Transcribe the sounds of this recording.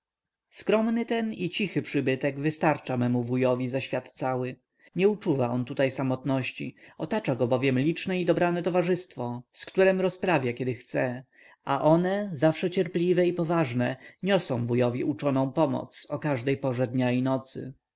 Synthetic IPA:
skɾɔmnɘt̪ɛnit͡ɕixɘpʂɘbɘt̪ɛɡvɘst̪aɾt͡ʂamɛmuvujɔvʲizaɕfʲjat̪t̪sawɘ | ɲɛut͡ʂuvaɔnt̪ut̪ajsamɔt̪nɔɕt͡ɕḭɔt̪at͡ʂaɡɔbɔvʲjɛmlʲit͡ʂnɛid̪ɔbɾanɛt̪ɔvaʐɘst̪fɔskt̪uɾɛmɾɔspɾavʲjakʲɛd̪ɘxt̪sɛ | aʔɔnɛzafʂɛt͡ɕɛɾplʲivɛipɔvaʐnɛɲɔsɔ̃w̃vujɔvʲjiʔut͡ʂɔnɔ̃w̃pɔmɔ̰t̪sɔkaʐd̪ɛjpɔʐɛd̪ɲainɔt̪sɘ̰

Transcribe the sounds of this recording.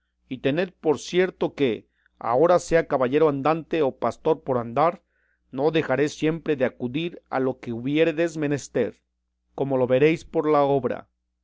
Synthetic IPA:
it̪e̞ne̞ð̚po̞ɾsje̞ɾt̪o̞ke̞ | a̰o̞ɾase̞akaβaʝe̞ɾoand̪ant̪e̞opast̪o̞ɾpo̞ɾand̪aɾ | no̞ðe̞xaɾe̞sje̞mpɾe̞ðeakuðiɾa̰lo̞ke̞uβje̞ɾe̞ðe̞zme̞ne̞st̪e̞ɾ | ko̞mo̞lo̞βe̞ɾe̞jspo̞ɾlao̞βɾa̰

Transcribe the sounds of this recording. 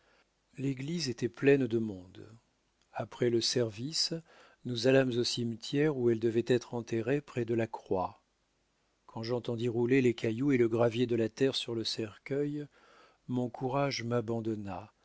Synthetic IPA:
leɡlizet̪ɛplɛnd̪əmɔ̃d̪ | apχɛləsɛʁvis | nuzalamzosimt̪jɛʁuɛld̪əvɛt̪ɛt̪χɑ̃t̪eʁepχɛd̪əlakχwa | kʰɑ̃ʒɑ̃t̪ɑ̃d̪iʁulelekʰajueləɡʁavjed̪əlat̪ɛʁsyʁləsɛʁkʲœj | mɔ̃kʰuʁaʒmabɑ̃d̪ɔna

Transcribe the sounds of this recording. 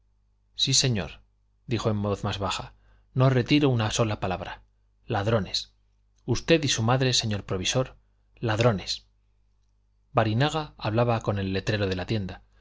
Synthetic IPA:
sise̞ɲo̞̰ɾ | d̪ixoemːoθmazβaa | no̞re̞t̪iɾounaso̞lapalaβɾa | laðɾo̞ne̞s | ust̪e̞ðisumaðɾe̞se̞ɲo̞ɾpɾo̞βiso̞ɾ | laðɾo̞ne̞s | baɾinaɣ̞aaβlaβako̞ne̞lːe̞t̪ɾe̞ɾo̞ð̞e̞lat̪je̞nd̪a

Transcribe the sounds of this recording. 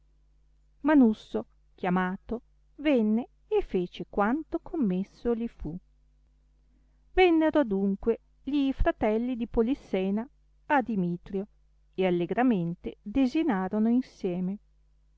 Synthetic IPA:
manusːo | kjamaːt̪o | vɛnːe | efːeːt͡ʃekwant̪okʰomːesːolifu | vɛnːeɾod̪uŋkwe | ʎifɾat̪ɛlːid̪ipolisːɛːna | ad̪imiːt̪ɾjo | ealːeɡɾament̪ed̪ezinaːɾonoinsjɛːme

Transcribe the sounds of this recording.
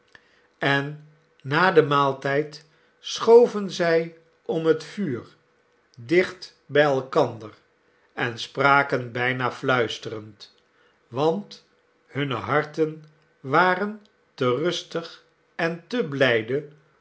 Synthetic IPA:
ɛnː | aːdəmaːlˠtɛjt | sχowvənzɛj | ɔmɦətfyːr | dɪχt | bɛjɛlˠkɑndər | ɛnspraːkənbɛjnaflœɥstərənt | ʋɑnt | hɵnə̰ɦɑɹtən | ʋaːrən | tərɵstəχ | ɛntəblɛjdə

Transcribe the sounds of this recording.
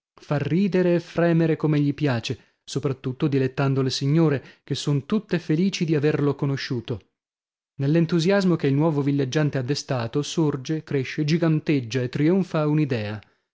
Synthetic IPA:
farːiːd̪eɾeːfɾɛːmeɾekomeʎːipjaːt͡ʃe | sopɾat̪ːut̪ːod̪ilet̪ːand̪olesiɲːoːɾekesːont̪ut̪ːefeliːt͡ʃid̪iaverlokonoʃːuːt̪o | nelːent̪uzjazmokeilnwɔːvovilːed͡ʒːant̪ead̪ːest̪aːt̪osord͡ʒekɾeʃːed͡ʒiɡant̪ed͡ʒːaet̪ːɾioɱfaunid̪ɛːa

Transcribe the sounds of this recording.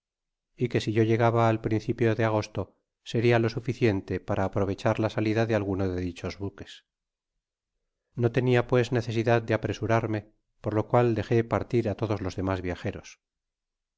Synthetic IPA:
ike̞siʝo̞ʝe̞ɣaβaːlpɾinθipjo̞ðe̞aɣ̞o̞st̪o | se̞ɾialo̞sufiθjent̪e̞paɾʔaːpɾo̞β̞e̞t͡ʃaɾlasaliðaðealɣ̞unoðe̞ðit͡ʃo̞zβuke̞̥s | no̞t̪e̞niapwe̞zne̞θe̞siðað̚d̪eapɾe̞suɾaɾme̞ | po̞ɾlo̞kwald̪e̞xe̞paɾt̪iɾat̪o̞ð̞o̞zlo̞zðe̞mazβjaxe̞ɾo̞s

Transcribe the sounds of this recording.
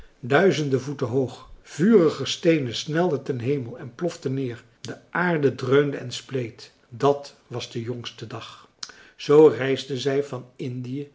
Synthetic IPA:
dœɥzəndəvutəɦowχv̥yːrəχəstejnəsnɛlˠdətɛnɦejməlˠɛnplɔftənɪːɹ | dəʔaːɹdədrøɥmdəɛnsplejt | dɑt | ʋɑzdəjɔŋstədɑχ | z̥owrɛjzdəzɛjvɑnɪndijə

